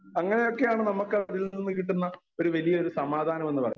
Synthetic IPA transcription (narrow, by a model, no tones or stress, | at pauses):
ɐŋːɐne̞jo̞kːe̞jaːɳɨnɐmukːɨðilninːɨkiʈ̬ːunːɐ | o̞ɾuʋɐlijɐoɾusɐmaːd̪ʱaːnɐme̞nːɨpɐ̰rɐ̰jːu